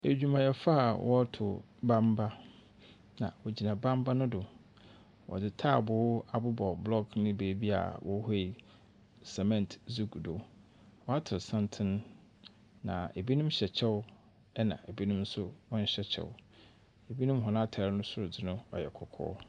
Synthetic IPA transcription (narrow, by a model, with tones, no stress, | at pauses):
e˨d͡ʑᶣu˨mã˨jɛ˨fa˦˨wʔɔ˦tʰʊ˨ | bã˦mba˦ | nã̰˨wɔ˨d͡ʑi˨nã˨bã˦mba˦nʊ̃˦dʊ˨ | wʔɔ̰˨dɪ˨tʰa˦˨bʊ˨˦a˨bʊ˦bɔ˨blɔ˦ɡnʊ̃˦be˨bi˦a̰˨wʔɔ˦ɦɔ˦i˨ | sɛ˨mɛ̃˦ntzu˦ɡdʊ˨ | wɔ˦a˦tʰʊ˨sã˦ntʰɪ̃˦nː˦ | ã̰˨e˨bi˦nʊ̃˦mɕɛ˨t͡ɕʰɛ˦wʊ˦ | ɛ˦nã̰˨e˨bi˦nʊ̃˦m˦sʊ˦wɔ̃˦n̩˦ɕɛ˦t͡ɕʰɛ̰˨wʊ˦ | e˨bi˦nʊ̃˦m˦ɦɔ̃˨ñ˦a˦˨tʰa˨ɾɪ˦nʊ̃˦sʊ˦ɾʊ˨dɪ˦nʊ̃˦ɔ̰˨jɛ̰˨kʰɔ˨kʰɔ̰ː˦